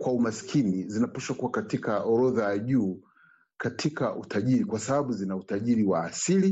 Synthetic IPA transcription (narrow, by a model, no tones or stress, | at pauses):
kwaumasi̥kʰinizinapaʃwakuwakatikaɔɾɔðajaʄuː | katʰikaʔutʰaʄiɾikwasaɓaɓuzinautaʄiɾiwaːsili